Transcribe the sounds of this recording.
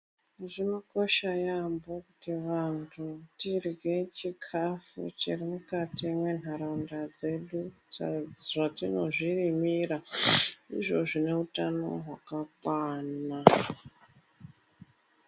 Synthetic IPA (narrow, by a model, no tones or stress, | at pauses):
ʐino̞ko̞ʃajambo̞kutiʋantʰutirɡe̞t͡ʃikʰafṵt͡ʃirimukatimwe̞n̤aɾandad͡ze̞ɗuaʐatino̞ʐirimiɾa | ḭʐo̞ʐine̞utano̞̰ɦwakak̚waːna